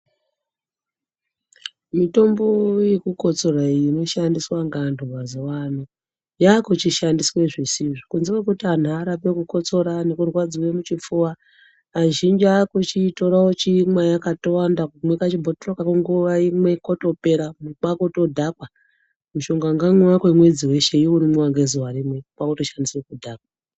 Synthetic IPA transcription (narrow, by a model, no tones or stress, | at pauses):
mito̞mboje̞kuko̞t͡so̞ɾaiino̞ʃandiswaŋɡandʱuwazowan̤u | jakot͡ʃiʃandiswe̞ʐisiʐikunzikwekutian̤uaɾapekuko̞t͡so̞ɾane̞kurwad͡zuwemut͡ʃip͡fuwaː | ʒind͡ʒakot͡ʃito̞ɾaot͡ʃiŋwajakatowandakumwekat͡ʃibʱotorokakuŋɡuʋaimwe̞koto̞pe̞ɾamukakoto̞dʱakwa | muʃo̞ŋɡaŋɡaŋuwakwe̞mwe̞d͡ziwe̞ʃe̞iuɾimwaŋɡezuwaɾimwe̞uk͡pakoto̞ʃandiswekudʱaːkwa